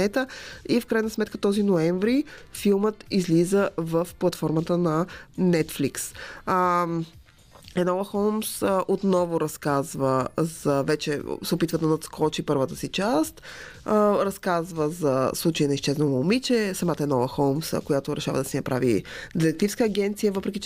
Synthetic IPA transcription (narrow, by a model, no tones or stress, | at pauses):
ɛt̪əifkɾajnɐsmɛt̪̚kət̪ɔzinoɛɱvɾifilˠmət̪izlizəvəfplˠɐt̪fɔɾmət̪ənɐnɛt̪fliksə | ɛnɔvəxɔlˠmsəʔot̪nɔvʊɾɐskazvəz̥ɐvɛt͡ʃɛsɛopit̪vəd̪ɐnɐt̪skʰɔt͡ʃipɤɾvət̪əsit͡ʃast̪ | əɾɐskazvəzɐslˠut͡ʃəinɐist͡ʃɛznomɐlˠmit͡ʃɛsɐmat̪əɛnɔvəxɔlmskojat̪oɾɛʃavə̰d̪ɐsɛnɐpɾʔa̰vḭd̪iɾɛk̚t̪ifskəːɡʲɛnt̪sijəvɤpɾɛkʲit͡ʃɛ